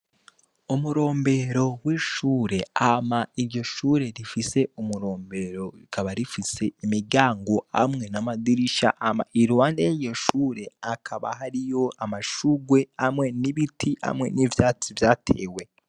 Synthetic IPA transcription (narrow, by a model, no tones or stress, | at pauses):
umuɾo̞ːmbe̞ɾo̞wiːʃuːɾe̞amaiɾɟo̞ʃuːɾe̞ɾifise̞umuɾo̞ːmbe̞ɾo̞ɾikʰaβaɾifise̞imiɡaːŋɡo̞a̰mŋe̞namadiɾiʃa̰ʔama̰ʔiɾuwaːndejeɾɟo̞ʃuːɾe̞akʰaβa̰ɦaɾijo̞amaʃuɡwe̞amŋe̞niβitiha̰mŋe̞̰nivjaːt͡sivjaːtʰe̞̰ːwe̞